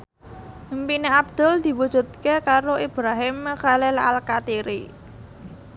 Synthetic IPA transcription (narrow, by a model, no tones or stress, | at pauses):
mpineab̚d̪̥ʊ̤ld̪̥i̤wud̥ʒ̥ṳt̪̚kekaɾoʔib̥ɾaɦɪmːəxalelaalkat̪iɾi